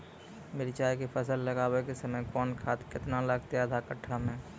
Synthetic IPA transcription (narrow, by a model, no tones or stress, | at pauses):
meɾit͡ʃaːjkipʰəsəlːɐɡaːwekesɐməjkɔːnkʰaːt̪kɪt̪nalaːɡt̪eəd̪ʱakəʈʰːamẽː